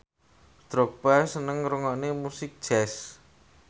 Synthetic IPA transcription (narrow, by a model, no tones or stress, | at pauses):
t̪ɾok̚pɛsənəŋɾuŋɔnemusɪk̚d̥ʒ̥ɛs